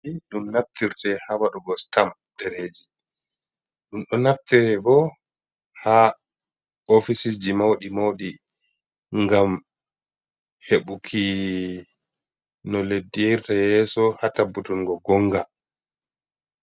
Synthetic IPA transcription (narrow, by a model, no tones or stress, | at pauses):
iɗumnaftiɾtɛhawaɗuɡɔstam | dɛɾed͡ʒi | ɗumɗɔnaftiɾɛbɔ | ha | ofisid͡ʒimawɗimowɗi | ŋɡam | heɓukʰi | nɔledːiɛɾtajɛːsɔhatabːutɔnɡɔɡɔŋɡa